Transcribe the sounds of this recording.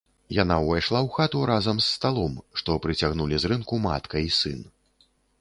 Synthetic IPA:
janawvajʂlˠawxat̪uɾazɐmsːt̪alˠɔmʂt̪ɔpɾɨt͡sʲaɣnulʲizɾɨnkuma̰t̪kɐisɨ̰n

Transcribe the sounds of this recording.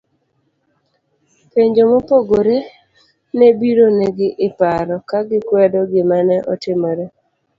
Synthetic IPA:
peɲd͡ʒomopoɡoɾe | nebiɾoneɡɪʔɪpaɾɔkaɡɪkwɛdɔɡɪmanɛʔɔ̰tɪmɔɾe

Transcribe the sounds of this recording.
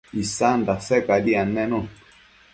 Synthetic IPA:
isandasɛkadianɛnu

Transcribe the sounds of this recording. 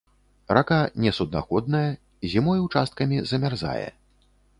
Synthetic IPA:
rakanʲɛsud̪na̰xɔd̪̚nɐjɐ | zʲimɔjwt͡ʂast̪̚kɐmʲizɐmʲarza̰jɛ̰

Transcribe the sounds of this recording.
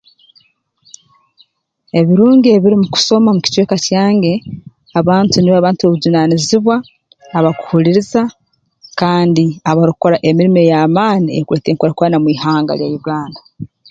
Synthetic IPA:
e̞βiɾuːŋɡieβiɾimuku̥so̞mamuci̥tweːkacaːŋɡe̞ | aβaːntuniβaβaːntuoβuɟunaniziβwaː | βaku̥huliɾiza | kaːndiaβaɾuko̞ɾaʔe̞miɾime̞jaːmaːniekweteŋkoɾakwaːnamwiːhaːŋɡa̰ljajuɡaːnda

